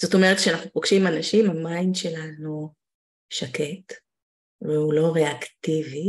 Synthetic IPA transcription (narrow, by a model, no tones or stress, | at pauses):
z̥o̞to̞me̞ʁet̚kʃeanaχnupoɡʃimanaʃimamainʃe̞lanu | ʃake̞t | veulo̞ʁeaktivi